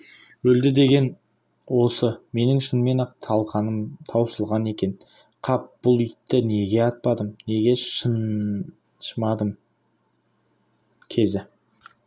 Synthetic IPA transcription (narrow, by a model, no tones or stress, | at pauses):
wɵld̪ɪd̪e̞ɡʲe̞n | wo̞səme̞nɪŋʃənme̞nɑt̪ʰɑlˠʁɑnəmt̪ʰɑwsəlˠʁɑne̞kʲe̞n | qʰɑp̚b̥ʊlˠʏjt̪ːɪne̞ɡʲe̞ɑt̪̚pɑd̪əmne̞ɡʲe̞ə | ʃəmɑd̪əm | kʲʰe̞zɪ